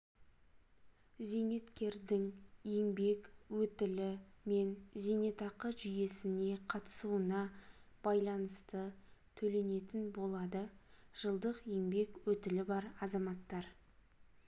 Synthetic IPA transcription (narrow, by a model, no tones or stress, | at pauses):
ze̞ŋe̞t̪kʲe̞ɾd̪ɪŋje̞ŋbe̞kwɵt̪ɪlɪme̞nze̞ŋe̞t̪ɑqəʒʏje̞sɪne̞qʰɑt̪ə̥suənɑ | b̥ɑjlˠɑnəst̪ət̪ʰɵle̞ne̞t̪ɪnbo̞lˠɑd̪əʒ̥əlˠd̪əqje̞ŋbe̞kwɵt̪ɪlɪbɑɾɑzɑmɑt̪ːɑɾ